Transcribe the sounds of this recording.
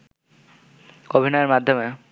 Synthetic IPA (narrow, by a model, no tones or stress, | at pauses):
obʱinɔeɾmad̪ʱːome